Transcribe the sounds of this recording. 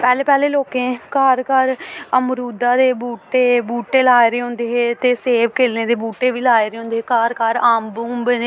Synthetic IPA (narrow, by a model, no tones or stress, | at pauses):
pɛːleːpɛːleːloːkẽːkaːɾkəɾəmɾuːd̪ãːd̪eːbuːʈeːbuːʈeːlaːeɾeːõːnd̪eːɦeːt̪eːseːʋkeːlnẽːd̪eːbuːʈeːʋiːlaːeːɾeːõːnd̪eːɦeːkaːɾkaːɾaːmbuːmbne